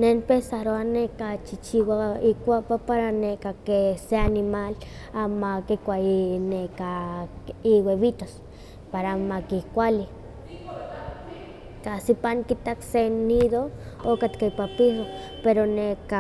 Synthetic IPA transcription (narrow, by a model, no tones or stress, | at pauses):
nenpesaɾoahnekat͡ʃit͡ʃiwaikʷapapaɾanekakeseanimal | amakikʷaineka | iweβit̪os | paɾamakikʷali | kasipaŋkit̪aksenid̪ookat̪kaipapisopeɾoneka